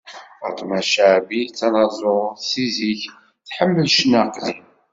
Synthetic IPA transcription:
ə̰t̪ˤmæʃaʕbit͡sːɑnɑzˤosiziç | θħəmːəlʃnæqlim

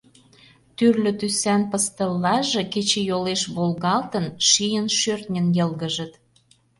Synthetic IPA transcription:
t̪yrlʲø̆t̪ysænpəst̪əlːɑʒĕket͡ɕĕjoleʃβolɣɑlt̪ə̆nʃijənʃørt̪nʲə̆njɤ̆lɣə̆ʒə̆t̪

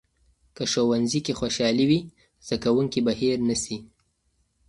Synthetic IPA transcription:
kəʃowanzikexwoʃɑliwi | z̥d̪akawuŋkibahiɾnəsi

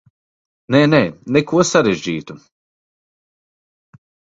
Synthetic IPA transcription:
nɛnɛnɛkuɔsaɾeʒʲd͡ʑiːt̪u

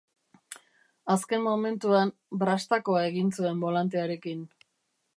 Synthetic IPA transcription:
aske̞mːo̞me̞nt̪uan | bɾast̪ako̞ae̞ɣinsue̞mbo̞lant̪̬eaɾe̞kin

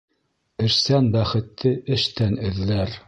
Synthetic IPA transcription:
ɘ̆ɾsænbæχɘ̆t̪ʰːɘɘ̆ʃt̪ænɘ̆ðlæɾ

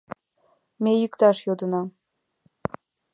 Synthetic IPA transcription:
mejykt̪ɑʃjod̪ə̆nɑ

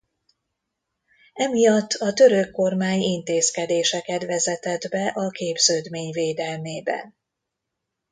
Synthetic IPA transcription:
ɛmijɒt̪ːɒt̪ø̞ɾøkːo̞rmaːɲint̪eːskɛd̪eːʃɛkɛt̪vɛzɛt̪ɛd̪bɛʔɒkeːbz̥øːd̪meːɲveːd̪ɛlmeːbɛ̰n

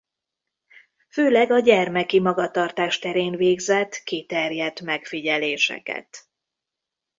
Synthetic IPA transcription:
føːlɛɡɒɟɛrmɛkimɒɡɒt̪ɒrt̪aːʃt̪ɛɾeːnveːɡzɛt̪kit̪ɛrjɛt̪mɛkfiɟɛleːʃɛ̰kɛ̰t̪

